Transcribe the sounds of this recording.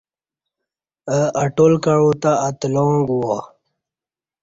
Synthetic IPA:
əaʈolkaɻot̪aːt̪loŋɡuwa

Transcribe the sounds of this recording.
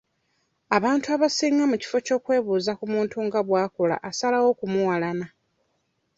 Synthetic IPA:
aβaːntuaβasiːŋɡamuci̥fo̞co̞ːkwe̞ːβuːzakumuːntuŋɡaβwaːkola̰ʔasalawo̞kumuwalana

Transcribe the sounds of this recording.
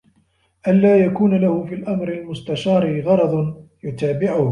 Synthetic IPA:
ʔanlaːjakuːnalahʊfiːlʔamɾɪlmʊst̪aʃɑːɾiɣɑɾˤɑd̪ˤjʊt̪aːbɪʕʊh

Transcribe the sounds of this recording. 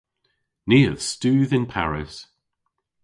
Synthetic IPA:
niːəv̥stʉːðɪ̃npʰa̰ɹɪs

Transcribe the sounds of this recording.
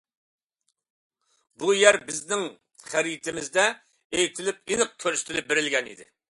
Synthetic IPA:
bujæɾbɪznɪŋ | χæɾit̪ʰɪmɪzd̪ɛ | ejt̪ʰɪlɪp̚inɨq̚kʲʰøɾyʃt̪ʰɪlɪp̚beɾɪlɡʲɛnḭd̪ɪ̰

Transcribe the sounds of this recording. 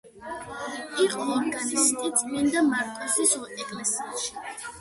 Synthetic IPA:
iqʼɔːɾɡanist̪ʼid̪sʼmɛnd̪amaɾt̪ʼɔzisɔt̪ʼɛkʼlɛsiaʃi̥

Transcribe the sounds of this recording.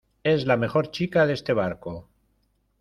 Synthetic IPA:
e̞zlame̞xo̞ɾt͡ʃikaðe̞st̪e̞β̞aɾko

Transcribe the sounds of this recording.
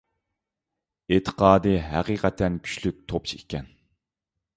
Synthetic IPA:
et̪ʰə̥qɑːd̪ɨɦæ̰qiːqɛt̪ʰɛnkʲʰy̥ʃlyk̚ʲt̪ʰop̚t͡ʃʰiikʲʰɛn

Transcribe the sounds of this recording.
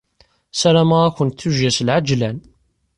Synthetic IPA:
sæɾæmaʁæçʷənt̪θuʒæslʕad͡ʒlæn

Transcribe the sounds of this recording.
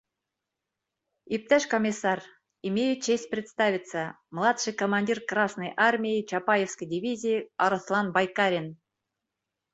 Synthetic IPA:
ip̚t̪æʂkomʲisːɑr | imʲejʊt̪t͡ɕːesʲt̚ʲprʲɪt̪st̪avʲit̪sə | mlˠɑt̪ʂɨjkomanʲdʲirkrɑsnəjʔarmʲijit͡ɕapajefskəjdʲivʲizʲijiɑɾɤslˠɑnbajkɑɾʲen

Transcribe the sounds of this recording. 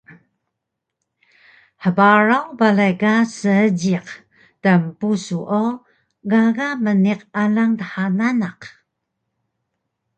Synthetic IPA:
ħəbaɾawbalajkasəəɟiq | təmpusuʔo | ɡaɣaməniqalaŋtəħananaq

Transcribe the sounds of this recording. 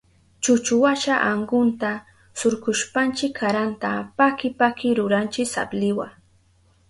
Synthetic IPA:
t͡ʃʊt͡ʃʊwaʃaʔaɴɢʊnt̪a | sʊɾkʊʃpant͡ʃɪkʰːaɾant̪apakɪpakɪɾʊɾant͡ʃɪsa̰blɪwa̰

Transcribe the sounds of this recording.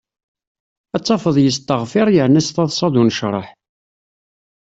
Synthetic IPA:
æt͡sˤːɑfəðˤjəst̪ːəʁfɪɾˤjəʕnæsθɑðˤsˤɑðunʃɾˤə̰ħ

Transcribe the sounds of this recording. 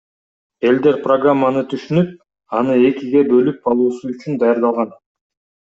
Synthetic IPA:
e̞ld̪e̞ɾproɡramːanɯt̪ʰyʃynyp̚ | ɑnɯe̞kiɡe̞bø̞lyp̚qɑlˠuːsuyt͡ʃynd̪ɑjɑɾd̪ɑlˠʁɑn

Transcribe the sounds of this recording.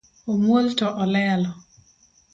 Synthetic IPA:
omwoltɔʔɔlɛlɔ

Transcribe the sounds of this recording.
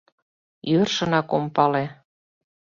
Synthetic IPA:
jørʃə̆nɑkompɑle

